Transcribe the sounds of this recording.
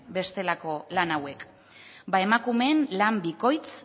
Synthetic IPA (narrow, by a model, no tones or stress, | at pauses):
be̞st̪e̞lako̞lanawe̞k | bae̞makume̞nlambiko̞jt͡s